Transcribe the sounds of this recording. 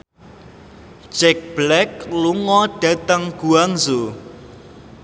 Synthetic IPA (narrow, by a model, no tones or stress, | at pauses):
d͡ʒɛk̚b̥lɛk̚luŋɔɖ̥ä̤t̪əŋɡ̥uaŋzu